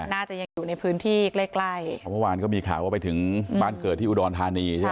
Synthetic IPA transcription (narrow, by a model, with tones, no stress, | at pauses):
naː˥˩t͡ɕa˨˩ja˧ŋjuː˨˩na˧jpʰɯː˦˥nt̪ʰiː˥˩kleː˥˩kla˥˩jmɯ˥˩waː˧nkɔː˥˩miː˧kʰa̰ː˨˩˦waː˥˩pa˧jt̪ʰɯ˩˦ŋbaː˥˩nkɤː˨˩t̪̚ʰːiː˥˩u˨˩dɔː˧nt̪ʰaː˧niː˧˥˩